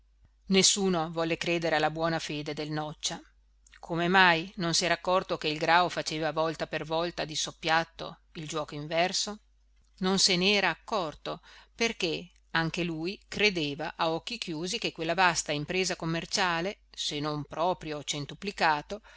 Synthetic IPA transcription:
nesːuːnovɔlːekɾeːd̪eɾealːabwɔːnafeːd̪ed̪elnɔt͡ʃːa | kʰomemajnonsiɛːɾakːɔrt̪okeilɡɾaːofat͡ʃeːvavɔlt̪apervɔlt̪ad̪isopːjat̪ːo̰ | ild͡ʒwɔːkoiɱvɛrso | nonseneɛːɾaːkːɔrt̪operke | aŋk̟eluːjkɾed̪eːvaʔaɔk̟ːik̟juːzik̟ekːwelːavast̪aimpɾeːzakomːert͡ʃaːlesenompɾɔːpɾjot͡ʃent̪uplikaːt̪o

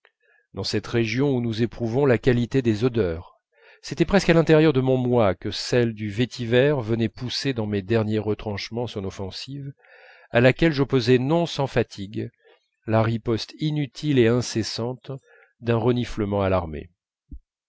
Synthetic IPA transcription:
d̪ɑ̃sɛt̪ʁeʒjɔ̃unuzepχuvɔ̃lakalit̪ed̪ezɔd̪œːʁ | set̪ɛpχɛskalɛ̃t̪ɛʁjœʁd̪əmɔ̃mwakəsɛld̪yvet̪ʰivɛʁvənɛpused̪ɑ̃med̪ɛʁnjeʁət̪χɑ̃ʃmɑ̃sɔ̃nɔfɑ̃siv | alakʲɛlʒɔpozɛnɔ̃sɑ̃fat̪ʰiɡ | laʁipɔst̪inyt̪ʰileɛ̃sesɑ̃t̪ | d̪ɛ̃ʁənifləmɑ̃alaʁmḛ

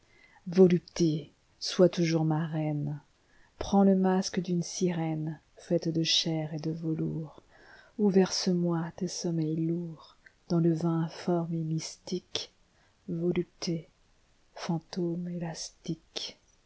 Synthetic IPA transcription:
vɔlypt̪e | swat̪uʒuʁmaʁɛn | pχɑ̃ləmaskd̪ynsiʁɛn | fɛt̪d̪əʃɛʁed̪əvɔlṵːʁ | uvɛʁsəmwat̪esɔmɛjluʁ | d̪̥ɑ̃ləvɛ̃fɔʁmemist̪ik | vɔlyp̚t̪ʰe | fɑ̃t̪omelast̪ik

